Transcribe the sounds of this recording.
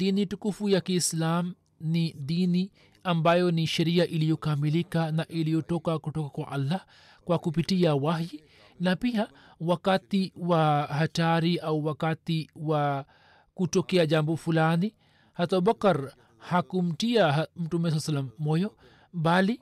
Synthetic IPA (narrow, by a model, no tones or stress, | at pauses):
d̪initukufujakiːslam | nid̪ini | ambajɔniʃaɾiaʔilijɔkamilikanaʔilijɔtɔkakuʈɔkakwaʔalːah | kwakup̬iʈiawaɦji | napija | wakat̪iwaɦataɾiʔawwakat̪iwa | kut͡ʃɔkɛad͡ʒambɔfulani | hat̪abakɐɾ | hakum̩ʈiamutumːɛs̬alsalːamːɔjɔ | bali